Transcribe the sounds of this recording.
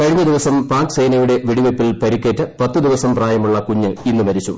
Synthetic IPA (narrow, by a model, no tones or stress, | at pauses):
kɐɻiɲːɐd̪iʋɐsɐmpaːkɨ̥sejnɐjuɽe̞ʋiɽiʋepːilpɐɾikːe̞ːtːɐpɐt̪ːɨd̪iʋɐsɐmpraːjɐmuɭːɐkuɲːɨinːumɐɾit͡ɕːum